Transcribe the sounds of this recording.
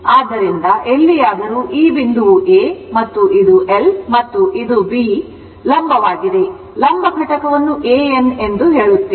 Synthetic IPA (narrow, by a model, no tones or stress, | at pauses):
aːd̪ːɐɾind̪ɐʔelːijaːd̪ɐɾuːʔiːbind̪uʋuʔeːmɐt̪ːuʔid̪uʔelmɐt̪ːuʔid̪ubi | lɐmbʱɐʋaːɡid̪e̞ | lɐmbʱɐɡʱɐʈɐkɐʋɐnːuʔeːene̞nd̪uɦe̞ːɭut̪ːe